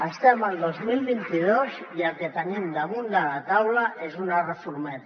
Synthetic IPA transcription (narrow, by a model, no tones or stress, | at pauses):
əst̪emalˠd̪ozmilβint̪ið̞ozjaket̪anemd̪amund̪alat̪awlaʔezunarəfuɾmet̪